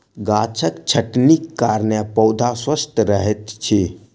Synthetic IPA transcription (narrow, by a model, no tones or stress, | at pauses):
ɡat͡ʃʰəkt͡ʃʰəʈnikːaɾnapəʊd̪ʱaswəst̪ɾəɦɛt̪t͡ʃʰe